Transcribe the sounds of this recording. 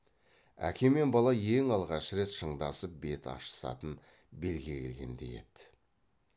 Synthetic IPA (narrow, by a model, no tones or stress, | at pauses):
æ̰kʲʰe̞me̞nbɑlˠɑje̞ŋɑlˠʁɑʃəɾe̞t̪ʃəɴd̪ɑ̰səp̚be̞t̪ɑ̰ʃə̥sɑ̰t̪ən | be̞lɡʲe̞kʲʰe̞lɡʲe̞̰nd̪e̞̰je̞̰t̪ɪ